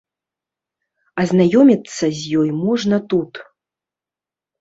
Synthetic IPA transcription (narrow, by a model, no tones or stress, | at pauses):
ɐzʲnajɔmʲit̪sːɐzʲjɔjmɔʐnɐt̪ut̪